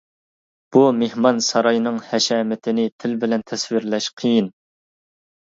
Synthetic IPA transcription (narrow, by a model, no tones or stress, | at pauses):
b̥umehmɑnsɑɾɑjnɨŋhɛʃɛːmɪt̪ʰɪnɪt̪ʰɪlbɪlɛnt̪ʰɛswiɾlɛʃqʰijin